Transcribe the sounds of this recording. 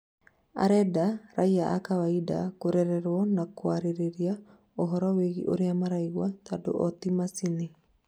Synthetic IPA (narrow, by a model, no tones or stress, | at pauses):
a̰ɾɛdaɾaiaʔa̰kawaida̰koɾɛɾɛɾwɔnakwaɾeɾeɾia | ɔɦɔɾɔweɣḭʔo̰ɾeamaɾaiwatado̰ʔɔt̪imasine